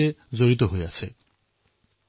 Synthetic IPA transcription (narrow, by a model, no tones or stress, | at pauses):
ed͡ʑoɾit̪oɦoeat͡ɕʰe